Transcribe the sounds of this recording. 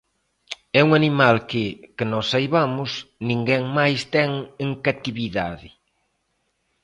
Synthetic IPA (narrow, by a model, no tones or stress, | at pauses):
ɛuŋanimalkɪkɪnɔsajβamʊsnĩŋɡɛŋmajst̪ɛŋeŋkat̪iβiðaðɪ